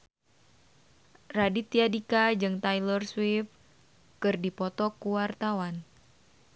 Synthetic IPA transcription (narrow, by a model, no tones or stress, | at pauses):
radit̪iadikad͡ʒɨŋt̪ajlərswif | kɨrdipɔt̪ɔkuwart̪awan